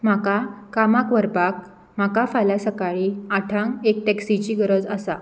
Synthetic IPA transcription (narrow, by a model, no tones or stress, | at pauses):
m̤akakamakʋəɾpak | m̤akafalasəkaɭiaʈʰãŋɡek̚ʈɛksit͡ɕiːɡəɾəd͡zəsa